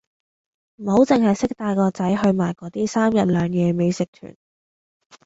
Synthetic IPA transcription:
m̩˨˩ho˨˥wt͡sɪ˨ŋɦɐ˨jsɪ˥k̚t̪aː˧jkɔː˧t͡sɐ˨˥jɦɵ˧ɥmaː˨˩jkɔː˨˥t̪iː˥saː˥mjɐ˨t̚lœː˨˧ŋjɛː˨˧me˨˧jsɪ˨k̚t̪ʰy̰ː˨˩n

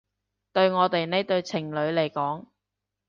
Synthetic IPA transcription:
t̪ɵ˧ɥŋɔː˨˧t̪e˨jne˥jt̪ɵ˧ɥt͡sʰɪ˨˩ŋlɵ˨˧ɥle˨˩jkɔː˨˥ŋ

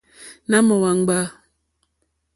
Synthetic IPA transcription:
na˦mɔ˨wa˨ŋ˦ɡ͡ba˦

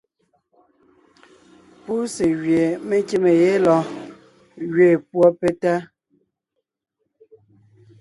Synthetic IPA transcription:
pu˦se˨ɣɥje˨me˦ke˦me˨je˦lɔ˨ | ɣɥe˨pwɔ˦pe˦ta˦

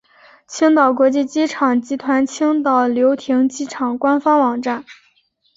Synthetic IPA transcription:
t͡ɕʰi˥ŋt̪ɑ˨˩ʊkwɔ˧˥t͡ɕi˥˩t͡ɕi˥ʈ͡ʂʰɑ˨˩ŋt͡ɕi˧˥t̪ʰwa˧˥nt͡ɕʰi˥ŋt̪ɑ˨˩ʊljo˧˥ʊt̪ʰi˧˥ŋt͡ɕi˥ʈ͡ʂʰɑ˨˩ŋkwa˥nfɑ˥ŋwɑ˨˩ŋʈ͡ʂa˥˩n

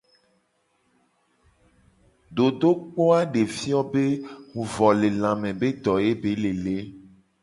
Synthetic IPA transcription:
d̪o˨d̪o˦k͡po˦a˦ɖe˨fi˦ɔ˦be˦ŋũ˨vɔ˨le˨lã˨mẽ˨be˦d̪ɔ˨e˦be˨le˨le˦

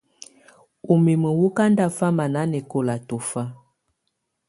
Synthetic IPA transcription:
u˨mi˨mə˨wu˦ka˦nda˦fa˦ma˨na˨˦nɛ˨ko˦la˨to˨fa˦

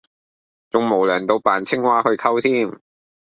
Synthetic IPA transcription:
t͡sʊ˨ŋmo˨˩wlœː˨˩ŋt̪o˧wpaː˨˩nt͡sʰɪ˥ŋwaː˥hɵ˧ɥkʰɐ˥wt̪ʰiː˥m

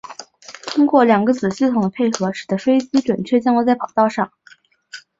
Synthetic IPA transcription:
t̪ʰʊ˥ŋkwɔ˥˩ljɑ˨˩ŋɡə˧˦t͡sɹ̩˨˩ɕi˥˩t̪ʰʊ˨˩ŋd̪ə˦˥pʰe˥˩ɪxɤ˧˥ʂɻ̩˨˩d̪ə˦ʂwe˥ɪt͡ɕi˥ʈ͡ʂwə˨˩nt͡ɕʰɥɛ˥˩t͡ɕjŋə˧˥t͡sa˥˩ɪpɑ˨˩ʊt̪ɑ˥˧ʊʂɑ˥˩ŋ

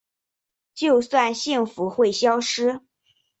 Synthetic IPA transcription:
t͡ɕjo˥˧ʊswa˥˧nɕi˥˩ŋfu˧˥xwe˥˩ɪɕjɑ˥ʊʂɻ̩˥

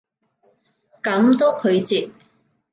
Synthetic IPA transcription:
kɐ˨˥mt̪oː˥kʰɵ˨˧ɥt͡siː˨˧p̚

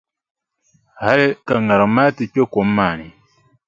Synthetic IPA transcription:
ha˦le˦ka˨ŋa˨ɾa˨ma˦ti˨ko˦ko˨˦maː˨ni˨

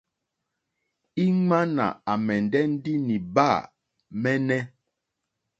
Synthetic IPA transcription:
i˦ŋa˦na̰˨a˨mɛ˨ndɛ˦n̩˦di˦ni˨ba˦˨ | mɛ˦nɛ˦

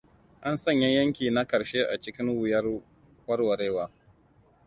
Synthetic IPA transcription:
ʔa˦nsɐ˦ɲjɐ˦jɐ˦ŋkʲiː˨na˦kɐ˨ɾʃeː˦ʔa˨t͡ʃɪ˦kʲɪ˦ŋwʊ˨jɐ˦ | wɐ˦rwɐ˨ɾeː˦waː˦

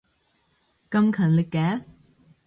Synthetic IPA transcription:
kɐ˥mkʰɐ˨˩nlɪ˨˩kːɛː˨˦

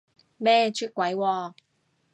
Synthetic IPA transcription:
mɛː˥t͡ʃʰyː˥t̚kʷːwɐ˨˥jwɔː˧

